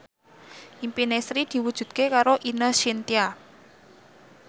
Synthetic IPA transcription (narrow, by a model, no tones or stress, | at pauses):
ʔimpinesɾid̪̥i̤wud̥ʒ̥ṳd̪̚kekaɾoʔinəsint̪ia